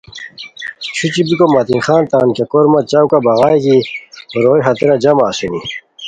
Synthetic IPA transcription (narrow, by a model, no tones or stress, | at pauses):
t͡ɕʰut͡ɕibikomɐt̪inxaːnt̪aːnkekoɾmɐt͡ɕawkabɐɣaːjkiɾoːiɦɐt̪iɾad͡ʑɐmaːsuni